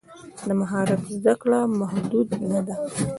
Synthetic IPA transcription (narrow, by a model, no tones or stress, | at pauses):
d̪əmaɦɑɾat̪zd̪aklamahd̪ud̪nad̪a